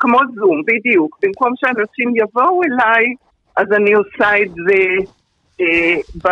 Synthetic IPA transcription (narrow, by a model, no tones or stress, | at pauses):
kmo̞zumbidijukbimko̞mʃeamʁot͡simjavo̞welaj | ʔazaniosaetze | eba